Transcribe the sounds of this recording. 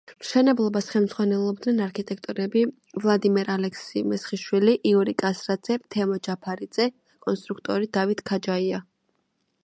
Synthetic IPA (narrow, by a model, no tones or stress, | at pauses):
mʃɛnɛblˠɔbasχɛlmd̪zʁwanɛlˠɔb̚d̪nɛnaɾkʰit̪ʼɛk̚ʰt̪ʼuɾɛbi | vlˠad̪imɛɾalɛkʰsimɛsχiʃwiliʔiɔɾikʼasɾad̪z̥ɛt̪ʰɛmɔd͡ʒapʰaɾid̪z̥ɛ | kʼɔnst̪ʼɾukʰt̪ʼɔɾid̪avit̪ʰkʰad͡ʒaia